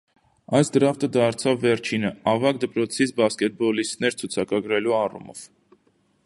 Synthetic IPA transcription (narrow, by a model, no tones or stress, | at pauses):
ɑjsd̪əɾɑft̪əd̪ɑɾt͡sʰɑvːɛɾt͡ʃʰinəɑvɑk̚d̪əpɾɔt͡sʰit͡sʰbɑskɛt̪̚bɔlist̪nɛɾt͡sʰut͡sʰɑkɑɡɾɛluɑrṵmɔ̰v̥